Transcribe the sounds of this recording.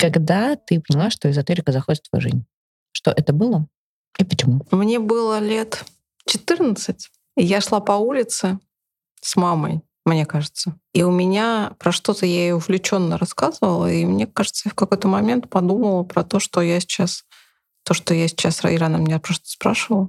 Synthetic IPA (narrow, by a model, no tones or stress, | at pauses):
kaɡd̪at̪ɨpənʲɪlˠaʂt̪oɪzɐt̪ɨɾʲɪkəzɐxodʲɪt̪ːvɐjṵʐɨ̰zʲnʲ | ʂt̪oʔɛt̪əbɨlˠə | ipət͡ɕɪmumnʲe̞bɨlˠəlʲe̞t̪ | t͡ɕɪt̪ɨrnət̪sɨtʲ | ijaʂlˠapɐulʲɪt̪sɨ | smamə̰j | mnʲe̞kaʐɨt̪sə | iʊmʲɪnʲapɾɐʂt̪o̞t̪əjaɪjoʊvlʲɪt͡ɕo̞nːəɾɐskazəvəlˠəimnʲe̞kaʐɨt̪səjafkɐko̞jt̪əmɐmʲe̞nt̪̚pɐd̪uməlˠəpɾɐt̪o̞ʂt̪o̞jasʲɪ̥t͡ɕas | t̪o̞ʂt̪ojasʲɪ̥t͡ɕasr̰ɪɾanamʲnʲepɾost̪ə̥spɾaʂɨvəlˠ